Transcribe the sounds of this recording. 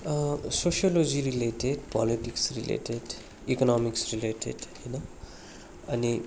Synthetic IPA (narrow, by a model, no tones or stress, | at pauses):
sosiolod͡ziɾileʈeɖpɔliʈiksrilḛʈeɖ | ikɔnɔmiksrileʈḛɖhijnʌ | ʌni